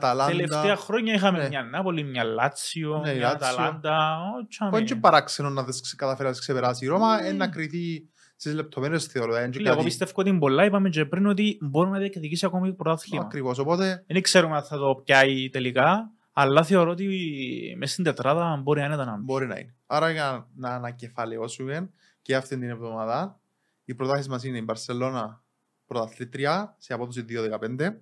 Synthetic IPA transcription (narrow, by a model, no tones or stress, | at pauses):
t̪ɐlaeledfɐeɐxɾoɲːɐixɐmemɲɐnːɐpolːimɲɐlːɐt͡sionlaɐlɐnd̪ɐot͡ʃʰːmɲd͡ʒepɐɾaksenonːɐðeskskɐt̪ɐfeɾɐðesksepeɾɐsiɾomɐenːɐkɾiθi | sizlep̚t̪ʰomeɾesθeoɾoðɐɐɲd͡ʒleɐɣoist̪efkoot̪imbolːɐipɐmed͡ʒepɾinot̪̬imboɾinɐðiɐkðicisiɐko̞mipɾot̪ɐθliɐmɐkɾivos̬opot̪eenikseɾumeɐθeðop̚cɐit̪elikɐ | ɐlːɐθe̞o̞ɾoot̪imest̪ind̪et̪ɾaðɐmbo̞ɾinɐinet̪ɐnɐnbo̞ɾinɐ̰ḭneaɾɐjɐnɐːnɐcefɐleo̞suɡen | ceɐft̪ind̪inevðo̞maðɐ | ipɾot̪asismɐs̬ineimbɐɾselːo̞nɐ | pɾot̪ɐθlit̪ɾiɐseɐpoðos̬iðioðekɐpend̪e